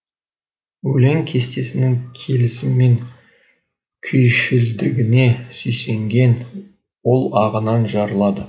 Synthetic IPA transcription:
wɵle̞ŋkʲʰe̞st̪e̞sɪnɪŋkʲʰe̞lɪsɪmːe̞ŋ | kʲʰʏjʃɪld̪ɪɡʲɪne̞sʏjse̞ŋɡʲe̞n | wo̞lˠɑʁənɑnʒɑɾəlˠɑd̪ə

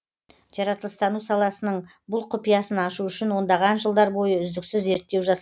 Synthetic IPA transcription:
ʒ̥ɑɾɑt̪əlˠəst̪ɑnusɑlˠɑsənəɴ | bʊlˠqʰʊpijɑsənɑʃuʏʃɪnwo̞nd̪ɑʁɑnʒəlˠd̪ɑɾbo̞jəʏzd̪ɪksɪze̞ɾt̪ːe̞wʒɑsɑ

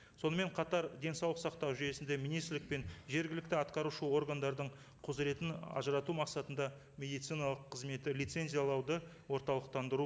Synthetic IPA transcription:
so̞nəme̞ɴqʰɑt̪ɑɾd̪e̞nsɑwlˠəqsɑqt̪ɑwʒʏje̞sɪnd̪e̞minijst̪ɾlɪk̚pe̞nʒe̞ɾɡʲɪlɪkt̪ɪɑt̪qɑɾuʃəo̞ɾɡand̪ɑɾd̪əɴ | qʰozɾe̞t̪ɪnɑ̰ʒəɾɑt̪umɑqsɑt̪ənd̪ɑ | mʲe̞d̪ijt̪sijnɑlˠəqʰːəzme̞t̪ɪlʲijt̪se̞nzijalˠɑwd̪ə | wo̞ɾt̪ɑlˠəq̚t̪ɑnd̪əɾu

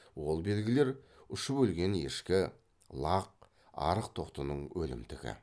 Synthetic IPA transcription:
wo̞lˠbe̞lɡʲɪle̞ɾʏʃəbɵlɡʲe̞ne̞̰ʃkʲɪ | lˠɑq̚ | ɑ̰ɾəqt̪ʰo̞qt̪ənəɴwʔɵlɪ̰mt̪ɪɡʲɪ̰

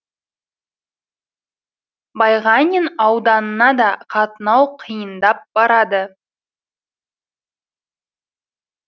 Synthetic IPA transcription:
bɑjʁɑnʲɪnɑwd̪ɑnənɑd̪ɑqʰɑt̪ənɑwqʰəjənd̪ɑp̚b̥ɑɾɑd̪ə

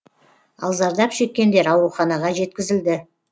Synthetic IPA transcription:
ɑ̰lˠzɑɾd̪ɑpʃe̞kʲːe̞nd̪e̞ɾɑwɾuχɑnɑʁɑʒe̞t̪̚kʲɪzɪld̪ɪ

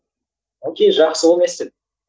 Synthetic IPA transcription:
okʲejʒɑqsəwmest̪ɪ

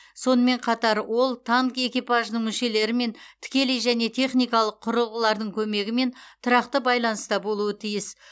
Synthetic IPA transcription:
so̞nəme̞ɴqʰɑt̪ɑɾwo̞lˠt̪ʰɑŋke̞kʲijpɑʒənəɴmʏʃe̞le̞ɾɪme̞nt̪ʰɪ̥kʲe̞lijʒæne̞t̪ʰe̞χnijkɑlˠəqʰːʊɾəlˠʁəlˠɑɾd̪əɴkʲʰɵme̞ɡʲɪme̞nt̪ʰʊɾɑqt̪əbɑjlˠɑnəst̪ɑbo̞lˠuət̪ʰijɪs

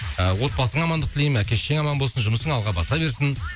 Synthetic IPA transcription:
əwo̞t̪̚pɑsəɴɑmɑnd̪əq̚t̪ɪlejmækʲe̞ʃʃeŋɑmɑnbo̞lˠsənʒʊməsəɴɑlˠʁɑbɑsɑbe̞ɾsɪn

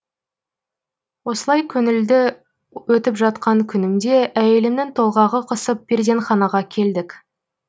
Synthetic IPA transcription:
wo̞səlˠɑjkʲʰɵnɪld̪ɪ | wɵt̪ɪpʒɑt̪̚qɑŋkʲʰʏnɪmd̪e̞æje̞lɪmnɪnt̪ʰo̞lˠʁɑʁəqʰəsəp̚b̥eɾzʲenχɑnɑʁɑkʲʰe̞ld̪ɪk

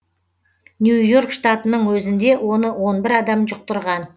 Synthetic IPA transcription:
njujo̞rkʃt̪ɑt̪ənəɴwɵzɪnd̪e̞wo̞nəwo̞nbɪɾɑd̪ɑmʒʊq̚t̪əɾʁɑn

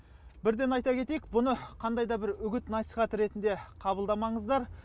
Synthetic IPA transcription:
bɪɾd̪e̞nɑjt̪ɑkʲʰe̞t̪e̞jekbʊnəqʰɑnd̪ɑjd̪ɑbɪɾʏɡʲɪt̪nɑsijχɑt̪ɾe̞t̪ɪnd̪e̞qʰɑbəlˠd̪ɑmɑɴəzd̪ɑɾ

